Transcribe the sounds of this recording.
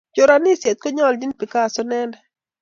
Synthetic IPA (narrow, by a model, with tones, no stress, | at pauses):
d͡ʒo˨ɾa˨nɪ˦sje˨t̪̚ko˦ɲɔ˦˨ldi˦npi˨ka˦˨sɔ˦nɛ˦nɛ˨